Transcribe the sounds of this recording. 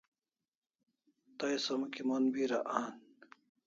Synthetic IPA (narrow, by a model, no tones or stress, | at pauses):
t̪ɐjsɐmkimonbiɾaʔaːn